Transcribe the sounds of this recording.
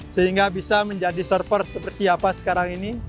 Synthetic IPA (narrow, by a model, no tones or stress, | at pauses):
səɦiŋɡabisaməɲd͡ʒadisərfərsəpərt̪iapasə̥kaɾaŋini